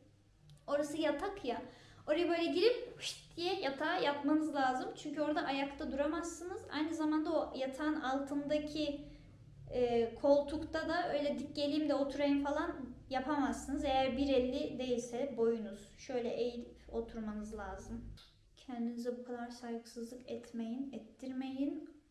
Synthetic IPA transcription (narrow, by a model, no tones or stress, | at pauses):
o̞ɾasɯjat̪ʰakʰjao̞ɾajabø̞jlʲɛɟilʲip̚ʃi̥t̪ʰːijɛjat̪ʰaːjapmanɯzlʲˠaːzɯmt͡ʃʰyɲcʰyo̞ɾd̪aʔajakt̪ʰad̪uɾamasːɯnɯz̥a̰jnɯzamand̪aojat̪ʰanalˠt̪ʰɯnd̪acʰi | kʰo̞lˠt̪ʰukt̪ʰad̪aø̞jlʲɛd̪ic̚ːe̞lʲijimd̪ɛo̞t̪ʰuɾajɯmfalˠanjapʰamasːɯnɯzejæɾbiɾɛlʲːid̪e̞jilʲsɛbo̞junuz̥ʃø̞jlʲɛʔejilʲipo̞t̪ʰuɾmanɯzlˠaːzɯm | cʰɛnd̪inizɛbukʰad̪aɾsajɡɯsɯzlˠɯkɛt̪ʰmejinɛt̪ʰːiɾme̞jin